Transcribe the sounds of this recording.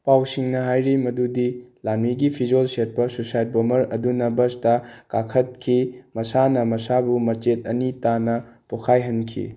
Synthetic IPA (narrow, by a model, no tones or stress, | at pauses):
pawsiŋnɐɦajɾimɐdudilanmiɡipʰid͡ʒolset̚pɐsosajt̚bomɐɾɐdunɐbɐstɐkakʰɐt̚kʰimɐsanɐmɐsabumɐt͡ʃet̚ɐnitanɐpokʰajɦɐnkʰḭ